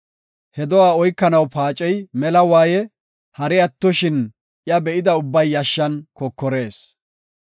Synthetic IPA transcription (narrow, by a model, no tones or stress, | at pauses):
hɛd̪ɔwaːɔjkːɐnɐwpaːt͡ʃʼɛjmɛlɐwaːjɛ | hɐɾɛɐt̪ːɔʃɪn | jɐbɛʔɪd̪ɐʊbːɐjːɐʃːɐnkɔkːɔɾe̞ːs